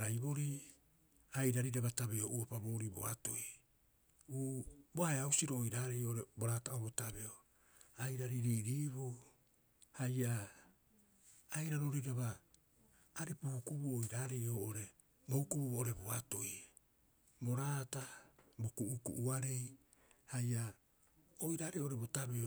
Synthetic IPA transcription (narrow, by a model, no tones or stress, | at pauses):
ɾajβo̞ɾi | ajɾaɾiɾaβataβeoʔuapabo̞ːɾibo̰a̰to̞j | uːboaeawsiɾoʔːjɾaːɾejoʔoɾeboɾaːtaobotabe̞o | ajɾaɾiɾiːɾiːβu | haja | jɾaɾoɾijɾaβaː | ɾepuhukubuojɾaːɾejoʔoɾe̞ | boukubuβoʔoɾe̞boato̞j | bo̞ɾaːtabokuʔukṵʔuaɾe̞j | hajʔa | ojɾaːɾeoʔoɾe̞bo̞tabe̞o